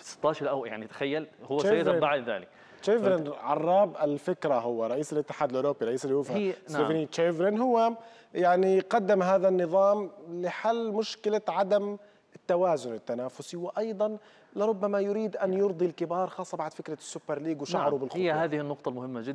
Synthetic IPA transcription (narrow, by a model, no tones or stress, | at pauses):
fisɪ̥t̪ːɑːʃɑɾˤʔawja̰ʕnit̪ḁxajːalhʊwːazabaʕd̪ða̰ːlɪk | t͡ʃeːvɾɪnʕɑrˤːɑːbʔɪlfɪkɾaɦhʊwːaɾˤɑʔiːsɪlʔɪt̪ːɪ̥ħaːd̪ɪlʔoːɾoːbːiɾˤɑʔiːsɪlːhuːfsevanit͡ʃeːvɾɪnɦʊwːa | jaʕniqɑd̪ːɪmɦaːðanːɨðˤɑːmlɪħalːmʊʃkɪlaʕad̪am | ɪt̪ːawaːzʊnɪt̪ːanaːfʊsiwɪʔɑjd̪ˤɑn | lɪɾˤʊbːamajʊɾiːd̪ʔanjʊɾd̪ˤilkɪbɑːɾˤxɑːsˤːɑbaʕd̪fɪkɾasːʊbːɑɾˤliːɡwʃaʕɾubɪlxhɪjːahaːðɪhɪnːʊqt̪ˤɑlmʊhɪmːad͡ʒɪd̪